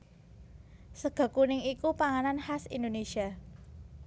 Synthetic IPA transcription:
səɡ̥ä̤kunɪŋikupaŋananhasindonesia

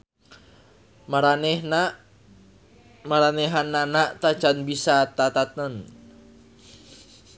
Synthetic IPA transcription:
maɾanɛna | maɾanɛɦanːanaʔt̪ḁt͡ʃanbisat̪at̪at̪ən

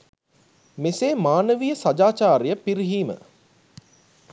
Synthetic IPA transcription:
meseːmaːnəʋijəsad͡ʒaːt͡ʃaːɾijəpiɾiɦiːmə̰

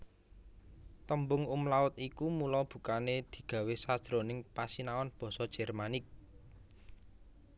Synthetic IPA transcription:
t̪əmbʊŋumlaʊt̪ikumulɔb̥ṳkaned̪̥i̤ɡ̥ä̤wesad̥ʒ̥ɾonɪŋpasinawɔnb̥ɔ̤sɔd̥ʒ̥ɛ̤rmanɪk̚

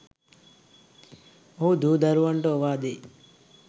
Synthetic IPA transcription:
owd̪ud̪ɐɾuʋɐɳʈoːʋaːd̪i

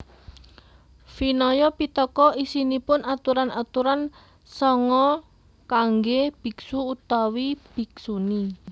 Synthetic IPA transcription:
finɔjɔpit̪ɔkɔisinipʊnat̪uɾanat̪uɾan | sɔŋɔ | kaŋɡeb̥i̤ksuut̪awib̥i̤ksuni

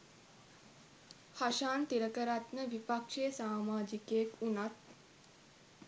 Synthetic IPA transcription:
haʃaːnt̪iɾəkəɾat̪nəʋipakʂejəsaːmaːd͡ʒikeːkunat̪̚

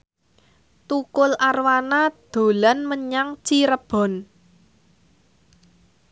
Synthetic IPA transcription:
t̪ukʊlarwanad̪̥o̤lanməɲaŋt͡ʃiɾəb̥ɔ̤n

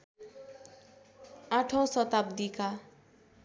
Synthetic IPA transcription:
aʈʰosʌt̪ab̚d̪ika

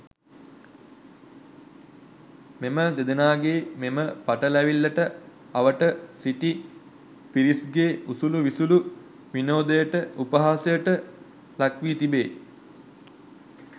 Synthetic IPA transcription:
meməd̪ed̪ənaːɡeːmeməpaʈəlæʋilːɐʈə | aʋəʈəsiʈi | piɾisɡeːusuluʋisulu | ʋinoːd̪əjəʈəupəɦaːsəjəʈə | lakʋit̪ibeː

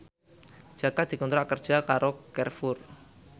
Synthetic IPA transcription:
d͡ʒ̥akad̪̥i̤kunt̪ɾaʔkərd̥ʒ̥a̤kaɾokɛrfʊr

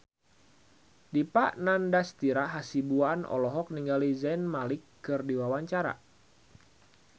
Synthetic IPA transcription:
dipaʔnandast̪iɾaɦasibuanɔ̰lɔɦɔk̚niŋɡalizɛnmalɪkː | ɨrdiwawaɲt͡ʃaɾa̰

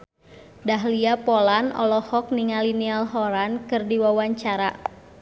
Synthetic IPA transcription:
daɦliapɔlanɔ̰lɔhɔk̚niŋalinialɦɔɾankɨrdiwawaɲt͡ʃaɾa

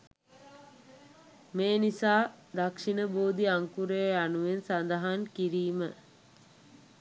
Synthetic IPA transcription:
meːnisaː | d̪akʂinəboːd̪iaŋkuɾeanuʋensand̪əɦankiɾiːmə

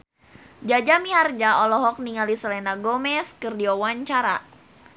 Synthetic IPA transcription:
d͡ʒad͡ʒamiard͡ʒaɔlɔɦɔk̚niŋalisalɛnaɡomɛskərdiɔwaɲt͡ʃaɾa

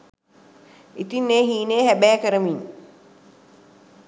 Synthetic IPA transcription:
it̪inːeːɦiːneːhæbæːkəɾəmin

